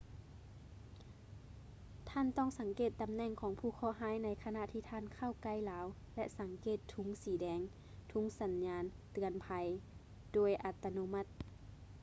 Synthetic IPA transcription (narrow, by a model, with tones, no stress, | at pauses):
t̪ʰaː˧˥˨nt̪ɔː˧˥˩ŋsa˨˩˦ŋkeː˧˨˩t̪ːa˧˦mnɛ˧˩ŋkʰɔː˨˦ŋpʰuː˧˩kʰɔː˧˩˨ɦaː˧˥jna˧˥jkʰa˧na˧ʔt̪ʰiː˧˩t̪ʰaː˧˥˨nkʰa˧˥˩wka˧˩jlaː˨˦w | lɛ˧ʔsa˨˦ŋkeː˧˩t̪ʰːu˧˦ŋsiː˨˦dɛː˧˥ŋ | t̪ʰu˧˥ŋsa˨˦nɲaː˧˥nt̪ɯ˧˩ənpʰa˧j | d̥oː˧˩jʔa˧t̪ːa˧no˧˥ma˧˥t̪̚